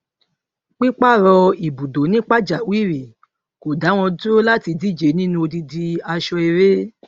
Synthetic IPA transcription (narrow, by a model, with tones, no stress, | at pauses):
k͡pi˦k͡pa˦˨ɾɔ˧i˨bu˨do˨˦nĩ˦k͡pa˦˨d͡ʒa˨wi˦˨ɾi˨ | ko˨da˨˦w̃ɔ̃˧do˦la˦ti˧di˦˨d͡ʒe˨˦nĩ˦nũ˧o˧di˧di˧a˧ʃɔ˧e˧ɾe˦